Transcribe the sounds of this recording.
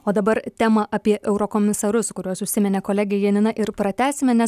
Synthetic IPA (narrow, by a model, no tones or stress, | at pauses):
oːd̪ɐbɐɾt̪ʲæːmɐʔɐpʲiɛʔɛʊɾokoːmʲɪsɐɾʊskʊɾʲuɔsʊʃʲsʲɪmʲɛnʲɛkoːlʲæːɡʲɛjiɛnʲɪnɐʔɪɾpɾɐt̪ʲæːsʲɪmʲɛnʲɛs